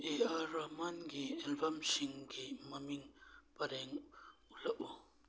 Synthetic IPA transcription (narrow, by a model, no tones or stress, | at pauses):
eaɾamanɡiɛlbamsiŋɡimɐmiŋpɐɾeŋulɐʔu